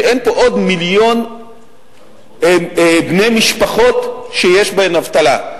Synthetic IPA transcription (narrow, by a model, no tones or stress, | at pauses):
ʔenpo̞ʔod̪miljo̞n | bne̞jmiʃpaχo̞t̪ʃejeʃbeenavt̪ala